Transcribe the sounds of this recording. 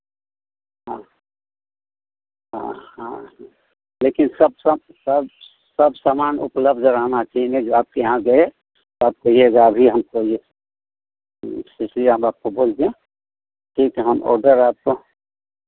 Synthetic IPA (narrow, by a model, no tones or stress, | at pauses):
ɦã | ɦã̰ɦã | leːkɪnsəb̚s | səb | səbsaːmaːnʊ̰pləbʱd̪ʱɾəɦnat͡ʃaɦinẽd͡ʒoaːp̚kejɦãɡɐe | t̪oaːp̚kɐɦieɡaːbʱiɦəmkoie | sɪt͡ʃʰliəmaːp̚koboːlt̪eẽ | ʈʰikɛɦəmɔ̰ːɾɖəɾaːp̚ko